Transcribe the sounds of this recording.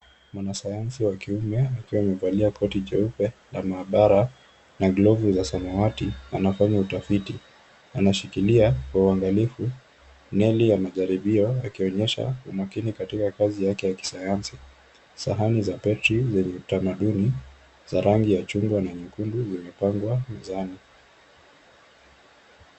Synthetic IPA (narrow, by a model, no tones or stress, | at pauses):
mwanasajansiwakiumɛakiwamɛvaliakɔtit͡ʃɛupɛlamaːɓaɾa | naɡlɔvuzasamawatianafaɲautafiti | anaʃikiliakwauaŋɡalifu | nɛlijamaʄaɾiɓiɔakiɔɲɛʃa̰ṵmakinikatikakazijakɛjaki̥sajansi | saɦanizapɛtɾizɛɲɛutamaɗuni | z̥aɾaŋɡijat͡ʃuŋɡwanaɲukunduzimɛpaŋɡwamɛzani